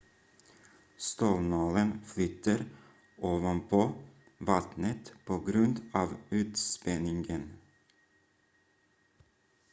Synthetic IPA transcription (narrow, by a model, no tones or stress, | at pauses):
st̪oːlnɑːlənflʏt̪əɾ | ʔoːʋənpʰoː | ʋɑt̪nət̪pʰoːɡɾʉnd̪ɑːʋʉːt̪spɛnɪŋɡən